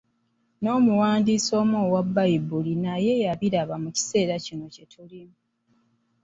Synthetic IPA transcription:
no̞ːmuwaːndiːso̞ːmoːwabːajibulinaje̞jaβiɾaβamuci̥se̞ːɾacino̞ce̞tʰulimu

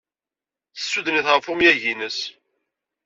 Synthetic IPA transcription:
θəsːuðəniθʁəfʊmjæʝinəs

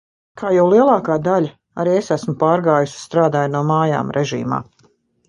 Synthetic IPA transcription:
kʰaːjawlˠiɛlˠɑːkaːd̪alʲa | aɾiesæsmʊpaːɾɡaːjusst̪ɾaːd̪aːjnuɔmaːja̰ːmɾʔɛʒḭːma̰ː

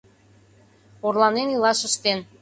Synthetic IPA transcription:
orlˠɑnenilɑʃə̆ʃt̪en

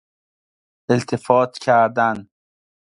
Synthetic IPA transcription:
elt̪ʰefɒːt̪ʰcʲʰæɾd̪æn

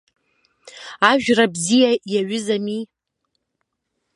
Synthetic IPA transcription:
aʒᶣrabzijajaɥʊzami

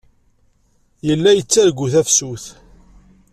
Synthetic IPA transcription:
jəlːæjət͡sːæɾɡuθæfsuθ

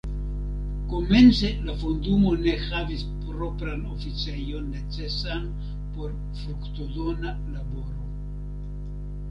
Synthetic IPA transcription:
kome̞nt͡se̞lafundumo̞ne̞havispɾo̞pɾanofit͡sejo̞nːe̞t͡se̞san | po̞ɾ | fɾukt̪odona | labo̞ɾo

